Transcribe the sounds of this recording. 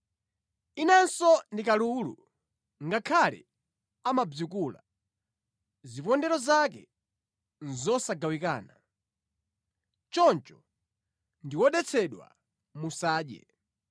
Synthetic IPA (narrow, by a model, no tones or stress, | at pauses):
inansɔndikalulṵ | ŋɡakʰalɛ̰ | amab͡ʐukula̰ | zipɔndɛɾɔzakɛ | nzɔsaɡawikaːna | t͡ʃɔnt͡ʃɔ̥ | ndiwɔɗɛt͡sʰɛɗwa̰ | musaːɗɛ̰